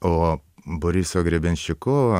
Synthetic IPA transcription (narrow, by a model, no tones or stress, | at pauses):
oːboɾʲisoːɡɾʲebʲɛnʲʃʲɪkoːʋɐ